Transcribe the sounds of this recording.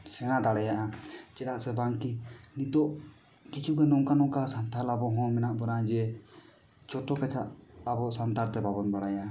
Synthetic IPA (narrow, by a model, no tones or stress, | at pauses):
sɛñad̪aɽɛjaʔat͡ʃɛɾaʔsɛbaŋkinit̪ɔʔ | kit͡ʃʰukɛnɔŋkanɔkasant̪ʰalabɔɦɔ̃mɛnaʔbɔɾad͡ʒɛ | t͡ʃɔt̪ɔkat͡ʃʰaʔabɔʔsant̪aɾt̪ɛbabɔnbaɽajaʔa